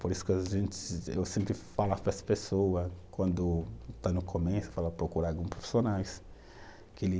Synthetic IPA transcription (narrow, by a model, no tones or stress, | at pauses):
poɾisʊ̥kɪaʒẽnt̪ɪsḛwsẽmpɾɪfalapɛsɐ̥pesowɐkwɐ̃nd̪ʊt̪anʊkʰomesʊ̥falapɾokuɾaɡũpɾofi̥sonajs | kɪelɪ